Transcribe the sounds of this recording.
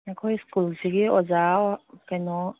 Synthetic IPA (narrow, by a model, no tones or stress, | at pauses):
akʰɔjskulsiɡiɔzakajnɔ